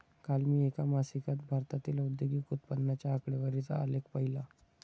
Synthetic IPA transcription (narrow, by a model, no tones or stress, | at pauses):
kalmiːekamasikat̪̚bʱaɾt̪at̪iːlaud̪joɡiːkut̪pənːat͡ɕjaːkɽeʋəɾit͡saa̰lekpəɦila